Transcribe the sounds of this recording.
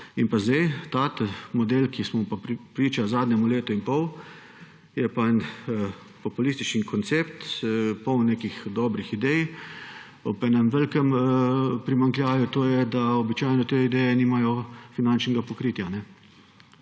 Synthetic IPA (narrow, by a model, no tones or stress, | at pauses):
inpazd̪ejt̪at̪mɔd̪eːlkismɔpapɾiːt͡ʃazaːd̪nɛmuleːt̪ɔinpɔw | jɛpaɛn | pɔpulist̪it͡ʃnikɔnt̪seːpt̪pɔwneːkixd̪ɔːbɾixid̪ɛj | ɔbɛnɛmʋɛlkəm | pɾimaŋkljaːʋjut̪oːjɛd̪aɔbit͡ʃaːjnɔt̪eid̪ɛjɛniːmajɔfinant͡ʃnɛɡapɔkɾiːt̪janɛ